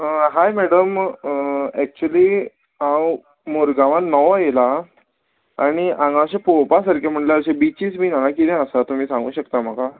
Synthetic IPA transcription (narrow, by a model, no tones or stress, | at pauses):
ɦajmɛɽəm | ɛk̚t͡ɕuəliː | ãw | moɾɡaʋãnnːɔʋajela | aɽ̃iʔãŋɡãɕepowpasəɾkʰem̤əɳʈlaəɕebit͡ɕiːsmiːnanãk̬id̪ɛ̃əsat̪um̤iːsãŋɡṵːɕəkt̪am̤aka